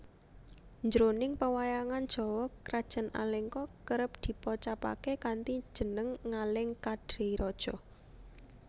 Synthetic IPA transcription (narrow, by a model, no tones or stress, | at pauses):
ɲd͡ʒɾonɪŋpəwajaŋand̥ʒ̥ɔ̤wɔkɾad̥ʒ̥ə̤na̰lɛŋkɔkəɾəp̚d̪̥i̤pɔt͡ʃapa̰kekant̪id̥ʒ̥ə̤nəŋːalɪŋkad̥ɾeɾʔɔd̥ʒ̥ɔ